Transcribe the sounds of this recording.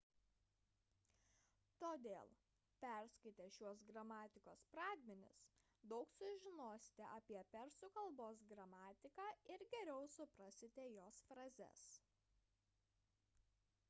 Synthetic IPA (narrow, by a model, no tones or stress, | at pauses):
t̪oːd̪ʲeːlˠ | pʲæɾskɐɪt̪ʲɛʃʲuɔs̬ɡɾɐmɑːt̪ʲɪkoːspɾɑːd̪ʲmʲɛnʲɪ̰s | d̪ɒʊksʊʒʲɪnoːsʲɪ̥t̪ʲɛ̰ʔɐpʲiɛpʲɛɾsʊkɐlˠboːsɡɾɐmɑːt̪ʲɪkɑːɪɾɡʲɛɾʲɛʊsʊpɾɐsʲɪt̪ʲɛjoːsfɾɐzʲɛ̰s